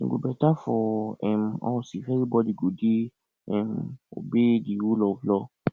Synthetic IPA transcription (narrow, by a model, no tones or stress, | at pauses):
ḭ̃ɡobɛtafɔɛmɔ̰wsifɛɾibɔdiɡodi | ɛmo̰bediwulɔvlɔ